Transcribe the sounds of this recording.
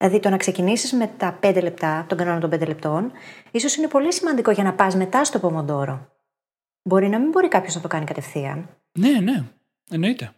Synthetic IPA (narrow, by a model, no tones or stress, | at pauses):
lɐðit̪o̞nɐkse̞cinisizme̞t̪ɐpe̞nd̪e̞le̞p̚t̪ɐt̪o̞ŋɡɐnonɐt̪obend̪ele̞p̚t̪o̞niso̞sine̞po̞lisimɐnd̪iko̞ʝɐnɐpɐzme̞t̪ɐst̪o̞po̞mond̪o̞ɾo̞ | bo̞ɾinɐmimbo̞ɾikɐpço̞znɐt̪o̞kɐnikɐt̪e̞fθiɐ̰n | nene | eno̞it̪e